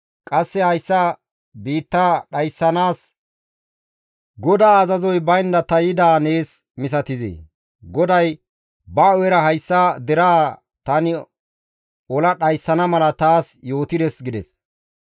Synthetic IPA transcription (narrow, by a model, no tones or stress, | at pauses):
kʼɐsːɛhɐjsːɐ | biːt̪ːaɗɐjsːɐnaːs | ɡɔd̪aːzɐzɔjbɐjnd̪ɐt̪ɐjɪd̪aːne̞ːs | mɪs̬ɐt̪ɪzḛː | ɡɔd̪ɐj | bɐɔjɛɾɐɦɐjsːad̪ɛɾaː | t̪ɐnɪ | ɔlɐɗɐjsːɐnɐmɐlɐt̪aːsjo̞ːt̪ɪd̪ɛsɡɪd̪ɛ̰s